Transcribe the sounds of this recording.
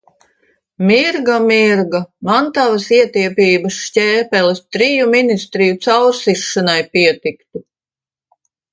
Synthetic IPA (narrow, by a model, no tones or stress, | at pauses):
miɾɡamiɾɡamant̪avɐsiɛt̪iɛpʲiːbɐsʃcʲɛːpɛlɛst̪ɾijuminist̪ɾijut̪sawɾsiʃːanajpiɛt̪ikt̪u